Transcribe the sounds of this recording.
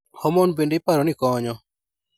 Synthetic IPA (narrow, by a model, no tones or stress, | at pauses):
hɔmɔnbenɖipaɾɔnikɔːɲɔ